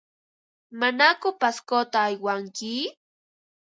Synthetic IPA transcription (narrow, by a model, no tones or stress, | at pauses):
manakʊpaskot̪aːjwaŋkɪ